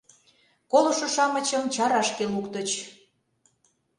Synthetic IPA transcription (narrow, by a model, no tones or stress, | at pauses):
koloʃŏʃɑmə̆t͡ɕə̆mt͡ɕɑɾɑʃkelukt̪ə̆t͡ɕ